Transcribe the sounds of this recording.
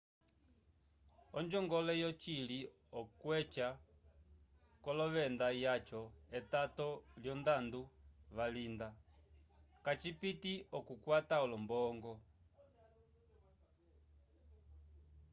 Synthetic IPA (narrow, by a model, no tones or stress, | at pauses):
ɔɲd͡ʒɔŋɡɔlɛjɔt͡ʃili | ɔkwɛt͡ʃa | kɔlɔʋɛndajat͡ʃɔɛtatɔljɔndanduβalinda | kat͡ʃipitiɔkukwataɔlɔmbɔŋɡɔ